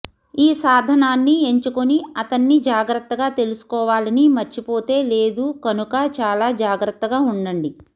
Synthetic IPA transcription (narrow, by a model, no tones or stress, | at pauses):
iːsaːd̪ʱɐnaːnːie̞ɲt͡ʃukoniɐt̪ɐnːid͡ʒaːɡɾɐt̪ːɐɡaːt̪e̞lusu̥kɔːʋaːlɐnimɐɾt͡ʃipo̞ːt̪e̞ːle̞ːd̪ukɐnukɐt͡ʃaːlaːd͡ʒaːɡɾɐt̪ːɐɡaːuɳɖɐɳɖi